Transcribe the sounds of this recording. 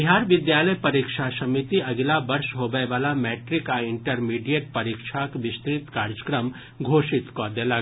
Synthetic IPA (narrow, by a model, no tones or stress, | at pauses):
biɦaːɾʋɪd̪jaːləjpɐɾikʃasɐmit̪iɐɡlabɐɾʃɦobəeʋaːlamɛːʈɾɪkaɪɳʈəɾmiːɖijəʈ̚pɐɾiːkʃʰakʋɪst̪ɾɪt̪kaːɾd͡ʒəkɾəm | ɡʱoːʃɪt̪kod̪ela